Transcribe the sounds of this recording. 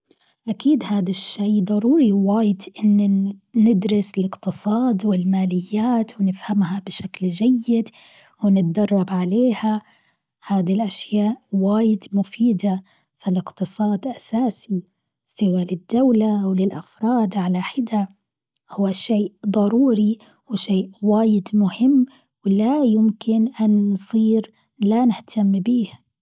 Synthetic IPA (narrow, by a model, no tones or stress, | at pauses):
ʔakiːd̪haːd̪aʃːeːd̪ˤɑɾˤuːɾiwaːjɪd̪ʔɪnːnɪd̪ɾɪsɪlɪqt̪ɨsˤɑːd̪wɪlmaːlɪjːaːt̪wɪnɪfhamɦabɪʃakld͡ʒajːɪd̪ | wɪnɪt̪d̪ɑrˤːɑbʕaleːha | haːd̪ilʔaʃjaːʔwaːjɪd̪mʊfiːd̪a | filɪqt̪ɨsˤɑːd̪ʔasaːsi | sɪwaːlɪd̪ːawlaʔwlɪlʔafɾˤɑːd̪ʕalaħɪd̪a | hʊwːaʃeːʔd̪ˤɑɾuːɾi | wɪʃeːʔwaːjɪd̪mʊhɪmː | wɪlajʊmkɪnʔansˤiːɾ | lanɪht̪ʰamːbiːh